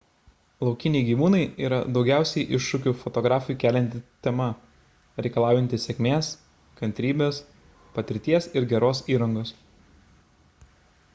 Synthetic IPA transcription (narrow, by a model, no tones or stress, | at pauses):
lˠɒʊkʲɪnʲɛɪɡʲiːʋuːnɐɪiːɾɐ̰d̪ɒʊɡʲæˑʊsʲɛɪjʔɪʃʃʊkʲʊfɔt̪ɔɡɾɑːfʊjːkʲæːlʲɛnʲt̪ʲɪt̪ʲɛmɐ | ɾʲɛɪkɐlˠɑˑʊjɛnʲt̪ʲɪsʲɛkʲmʲeːs | kɐnʲt̪ʲɾʲiːbʲeːs | pɐt̪ʲɪɾʲt̪ʲiɛsɪɾɡʲɛɾoːsiːɾɐŋɡoːs